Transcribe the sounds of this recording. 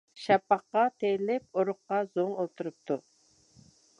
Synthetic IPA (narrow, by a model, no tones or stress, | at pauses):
ʃɛpːɑqːɑt̪ʰejlɪp̚oɾʊχqːɑz̥oŋolˠt̪ʰuɾup̚t̪ʰu